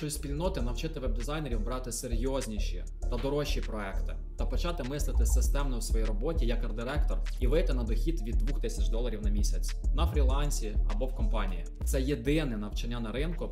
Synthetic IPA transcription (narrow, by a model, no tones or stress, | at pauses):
ʃt͡ʃɔsʲpʲilʲnɔt̪ɪnɐwt͡ʃɪt̪ɪʋɛb̚d̪ɪzɑjneɾʲiwbɾɑt̪ɪseɾʲjɔzʲnʲiʃḭ | t̪ɐd̪ɔɾɔʃipɾɔɛkt̪ɪ | t̪ɐpɔt͡ʃɑt̪ɪmɪslˠɪt̪ɪsɪst̪ɛmnɔjʊwsʋɔjiɾɔbɔtʲijɐkɐrd̪ɪɾɛkt̪ɔriʋɪt̪ɪnɐd̪ɔxʲid̪ʋʲid̪ːʋuxt̪ɪsʲɐt͡ʃd̪ɔlˠɐɾʲiwnɐmʲisʲɐt͡sʲnɐfɾʲilˠɑnʲsʲiɐbɔwkɔmpɑnʲiji | t̪sɛjed̪ɪnɛnɐwt͡ʃɐnʲːanɐɾɪnkʊ